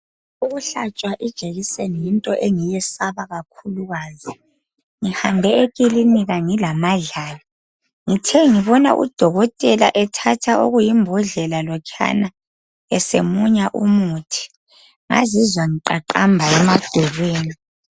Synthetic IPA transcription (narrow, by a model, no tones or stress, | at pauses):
uɣuɬat͡ʃʼwaʔid̥ʒ̥ʱeɣisenijintʼɔʔeŋijɛsaβaɣakʰuluɣaːzi | ŋihambʱɛeɣʼiliniɣaŋilamaɮaːlɔ | ŋitʰɛŋiβɔna̰ʔṵd̥ʱɔɣɔtʼɛla̰ʔɛtʰatʰaʔo̰ɣujimbʱɔɮɛlalɔkʰa̰na | ɛsemuɲaʔumutʰi̥ | ŋa̰zizwaŋiǃaǃambʱaɛmad̥ʱɛɣweːni